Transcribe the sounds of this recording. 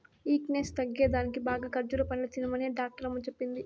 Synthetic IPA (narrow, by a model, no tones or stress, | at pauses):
iːknest̪ɐɡːeːd̪aːnikibaːɡaːkɐɾd͡ʒuɾɐpɐnilɐt͡ʃinimɐːneːɖaːk̚ʈɐɾɐmut͡ʃepːind̪i